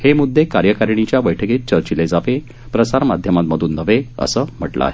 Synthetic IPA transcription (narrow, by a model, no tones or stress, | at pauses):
hemud̪ːekaɾjəkaɾɳ̃it͡ɕjabəjʈʰəket̪̚t͡ɕəɾt͡ɕiled͡zaʋe | pɾəsaɾmad̪ʱjəmat̪məd̪ʱuːnːəʋeə̰səːm̤əʈla̰ɦe